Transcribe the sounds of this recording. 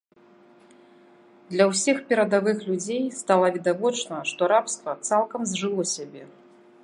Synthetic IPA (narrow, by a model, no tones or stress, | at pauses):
d̪lʲɐwsʲixpʲɛɾɐd̪avɨxlʲud͡zʲejst̪alˠɐvʲid̪avɔt͡ʂnɐʂt̪ɔɾapst̪vɐt̪salˠkɐmzʲʐɨlˠɔsʲabʲɛ